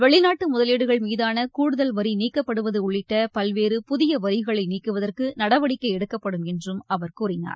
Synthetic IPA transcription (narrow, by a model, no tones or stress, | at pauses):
ʋɛɭɪnaːʈːɯmʊðɐleːɽɯɣɐɭmiːðaːnɐkuːɽɯðɐlʋɐɾiniːkːɐpːɐɽɯʋɐðɯʊɭːɪʈːɐpɐlʋeːɾɯpʊðɪjɐʋɐɾɪɣɐɭɐɪniːkːɯʋɐðɐrkɯnɐɽɐʋɐɽɪkːɐɪɛɽɯkːɐpːɐɽɯmɛndrɯmɐʋɐɾkuːrɪna̰ːɾ